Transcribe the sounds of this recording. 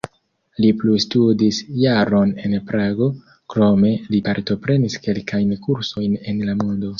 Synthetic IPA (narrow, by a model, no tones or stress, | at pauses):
liplustudisjaɾo̞ne̞npɾaɡo̞ | kɾo̞me̞lipaɾto̞pɾe̞niske̞lkajnkuɾso̞jne̞nlamondo̞